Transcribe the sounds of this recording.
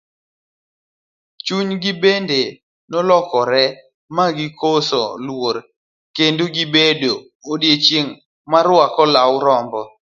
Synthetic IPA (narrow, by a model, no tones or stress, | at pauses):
t͡ʃuɲɡɪbende | nɔlɔkɔɾɛ | maɡɪkʰosɔ̰lwoɾ | kendoɡibedo | odjet͡ʃjeŋ | maɾwakɔlawɾɔmbɔ